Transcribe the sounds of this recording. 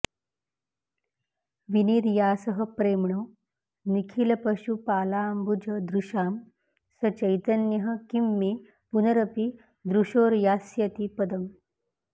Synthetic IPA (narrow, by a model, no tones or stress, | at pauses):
ʋiniːɾjaːsəɦəpɾemɳo | nikʰilɐpɐɕupaːlaːmbud͡ʒɐd̪ɾuʃaːm | sɐt͡ɕɐjt̪ɐnjɐɦɐ̆kimːe | punəɾɐpi | d̪ɾuɕoːɾjaːsjɐt̪ipɐd̪əm